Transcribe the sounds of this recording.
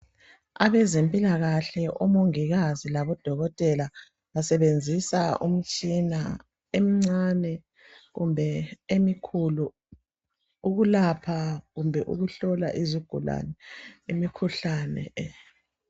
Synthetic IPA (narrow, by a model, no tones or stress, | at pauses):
a̰βɛzempʼilaɣaɬɛʔɔmoŋiɣazilaβɔd̥ʱɔɣɔtʼɛla | βasɛβend͡zʱisaʔṵm̩t͡ʃʼina̰ | em̩ŋ͡ǀanɛ | ɣumbʱɛemikʰulu | uɣulapʰaɣumbʱɛʔṵɣuɬɔla̰ʔiziɡ̥ʱula̰nɛemikʰuɬanɛ̰